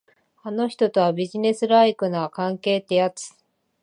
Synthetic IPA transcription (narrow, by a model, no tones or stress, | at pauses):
ano̞çi̥t̪o̞t̪o̞βabʲiʑine̞sɨɾaikɯ̟nakãŋke̞ːt̪e̞jat͡sɨ̥